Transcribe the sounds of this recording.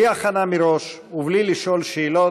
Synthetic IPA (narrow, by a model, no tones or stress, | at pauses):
iaχanamiɾo̞ʃ | ubliliʃolʃeːlo